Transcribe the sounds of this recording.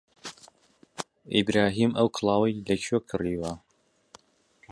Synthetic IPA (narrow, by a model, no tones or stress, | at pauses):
ʔibɾaːɦiːmʔɐwkʰɨlˠɑːwɐjlɐcʰokʰɨriːwɐ